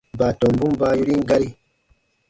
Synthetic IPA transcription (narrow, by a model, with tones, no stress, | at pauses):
ba˨to˨mbũ˦mba˦ju˦ɾi˦ŋɡa˦ɾi˦